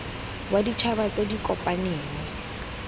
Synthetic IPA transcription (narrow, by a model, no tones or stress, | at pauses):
wadit͡ʃʰabat͡sʼedikʼɔpʼaneːnɪ